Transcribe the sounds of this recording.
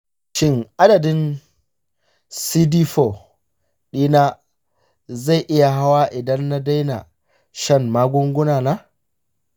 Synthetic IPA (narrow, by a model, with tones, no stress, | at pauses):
ʃɪ˦ŋʔa˦dɐ˨dɪ˦n | siː˦diː˦ɸo˨ | ɗiː˦na˦ | za˦˨jʔɪ˦ja˨ɦa˦waː˦ʔɪ˨dɐ˦nːa˦da˦jna̰˨ | ʃɐ˦˨mmaː˦ɡʷʊ˦ŋɡʷʊ˦naː˨naː˦